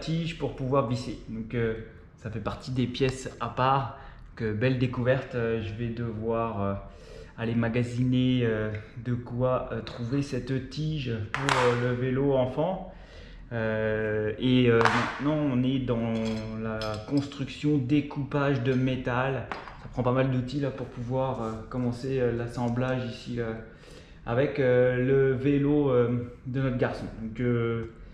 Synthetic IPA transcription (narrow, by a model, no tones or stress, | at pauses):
t̪iʒpuʁpuvwaʁvised̪ɔ̃kø | safɛpaʁt̪id̪epjɛsapaːʁɔ̃kbɛld̪ekuvɛʁt̪øʒəvɛd̪əvwaʁø | alemaɡazineød̪əkwaøt̪χuvesɛt̪t̪iʒpuʁøləveloɑ̃fɑ̃ | ø | eømɛ̃t̪nɑ̃ɔ̃nɛd̪ɑ̃lakɔ̃st̪χyksjɔ̃d̪ekupaʒd̪əmet̪alsapχɑ̃pamald̪ut̪ilapuʁpuvwaʁøkɔmɑ̃seølasɑ̃blaʒisiø | a̰vɛkøləveloød̪ənɔt̪χɡʲaʁsɔ̰̃d̪ɔ̃kə